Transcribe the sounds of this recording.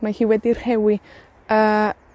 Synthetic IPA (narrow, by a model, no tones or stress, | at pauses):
mahiːwɛdir̥hɛwi | ə